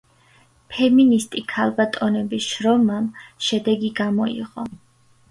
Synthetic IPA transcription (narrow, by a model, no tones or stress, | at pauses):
pʰɛminist̪ʼikʰalˠbat̪ʼɔnɛbisʃɾɔmamʃɛd̪ɛɡiɡamɔḭʁɔ